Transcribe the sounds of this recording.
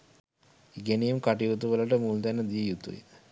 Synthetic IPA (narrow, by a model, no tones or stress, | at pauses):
iɡenejumkaʈijut̪uʋələʈəmult̪enːəd̪ijəjut̪ṵjḛ